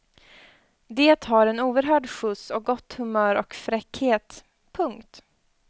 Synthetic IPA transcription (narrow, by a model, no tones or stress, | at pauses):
d̪eːt̪haɾɛnuːvəɾɦœːɖɧɵsɔk̚ɡɔt̪ːhɵmœːɾɔ̰kfɾɛkheːt̪ | pʰɵŋkt̪